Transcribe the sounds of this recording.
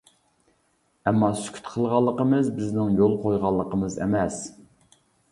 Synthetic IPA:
ɛmːɑsy̥kʲʰy̥t̪qʰəlˠʁɑlˠːəqəmɨzbɪznɪŋjolˠqʰojʁɑlˠːəqʰəmɨzḛmɛs

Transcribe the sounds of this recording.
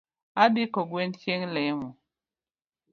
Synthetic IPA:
abikɔɡwent͡ʃjeŋlɛmɔ

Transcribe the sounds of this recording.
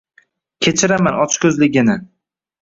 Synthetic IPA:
kʲʰe̞t͡ʃʰɪɾamanɒt͡ʃʰkʲʰɵzlɪɡʲɪnɪ

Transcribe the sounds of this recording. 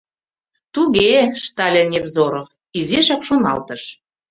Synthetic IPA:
t̪uɣeʃt̪ɑlʲenʲevzoɾov | izeʃɑkʃonɑ̰lt̪əʃ

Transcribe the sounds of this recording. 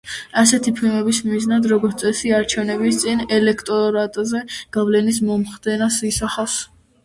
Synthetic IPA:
asɛt̪ʰipʰilˠmɛbismiznad̪ɾɔɡɔɾt̪sʼɛsiaɾt͡ʃʰɛvnɛbist̪sʼinɛlɛkʰt̪ʼɔɾat̪ʼzɛɡ̥avlɛnis̬mɔmχd̪ɛnasisaχas

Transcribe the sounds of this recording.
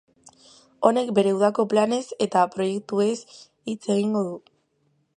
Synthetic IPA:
o̞ne̞kbe̞ɾewð̞ako̞plane̞se̞t̪apɾo̞je̞k̚t̪ue̞s | it͡se̞ɣiŋɡo̞ðu

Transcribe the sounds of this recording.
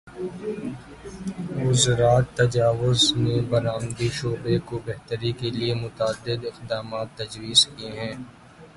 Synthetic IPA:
ʊzɾaːt̪ːɐd͡ʒaːʋʊzmẽbɐɾaːmd̪iʃoːbekobɐɦt̪əɾikeliemʊt̪aːd̪ːɪd̪ɪqd̪aːmaːt̪ːɐd͡ʒwiːzkeɦɛ̃ː

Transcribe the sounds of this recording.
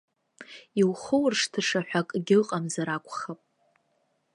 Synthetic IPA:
iwχəwrʂtʰɨʂaħʷᶣakʼɡʲɪqʼamzaɾakʷʰʼχapʼ

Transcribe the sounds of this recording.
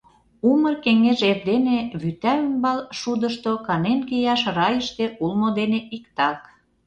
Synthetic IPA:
umərkeŋeʒerd̪eneβyt̪æymbɑlʃud̪əʃt̪okɑnenkijɑʃrɑjəʃt̪eʔulmod̪eneʔikt̪ɑk

